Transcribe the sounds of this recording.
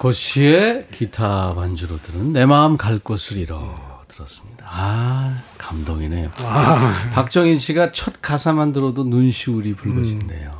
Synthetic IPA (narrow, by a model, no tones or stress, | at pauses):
kʌɕʰiekʰitʰamand͡ʑuɾodɯɾɯnːe̞maɯmkaɭk͈osʰɯɾiɾʌ̰tɯɾʌs͈ɯmɲid̥aa | kamdoŋinḛjo | pak̚t͡ɕ͈ʌŋinɕʰiɡat͡ɕʰʌt̚kasʰamandɯɾʌdonunɕʰiuɾipuɭɡʌɕʰinde̞̰jo